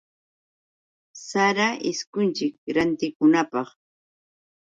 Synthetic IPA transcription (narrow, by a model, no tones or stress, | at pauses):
saɾaʔɪskʊnt͡ʃɪkɾant̪ɪkʊnapɑχ